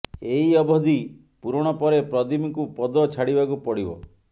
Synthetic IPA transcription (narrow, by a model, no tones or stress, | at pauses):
eɦiɔbɔd̪i | puɾɔɽ̃ɔpɔɾepɾɔd̪imikupɔd̪ɔt͡ʃʰaɽibakupɔɽibɔ̰